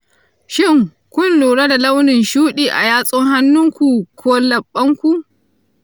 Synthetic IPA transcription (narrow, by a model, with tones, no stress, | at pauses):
ʃɪ˦˨ŋ | kʷʊ˦nluː˨ɽa˦da˨la˦wnɪ˨nʃuː˦ɗiː˨ʔa̰˨jaː˦sʼʊ˦ŋɦa˦nːʊ˦ŋkʷu˨kʷʰoː˦lɐ˨ɓːɐ˦ŋkʷu˨ʔ